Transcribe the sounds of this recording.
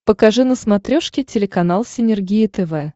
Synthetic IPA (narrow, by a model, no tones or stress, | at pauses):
pəkɐʐɨnəsmɐt̪ɾʲoʂkʲɪtʲɪlʲɪkɐnalˠsʲɪnʲɪrɡʲijɪt̪ɛvɛ